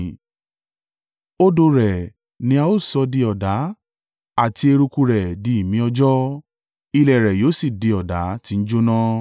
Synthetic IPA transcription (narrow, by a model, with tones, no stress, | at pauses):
o˦do˧ɾɛ˨ | nĩ˧a˧o˦˨sɔ˧di˧ɔ˨da˨˦ | a˦˨ti˧e˧ɾu˧ku˧ɾɛ˨di˨˦i˨mĩ˨˦ɔ˧d͡ʒɔ˦ | i˧lɛ˨ɾɛ˨joː˨˦si˦˨di˧ɔ˨da˨˦ti˧˦n̩˦d͡ʒo˦nã˦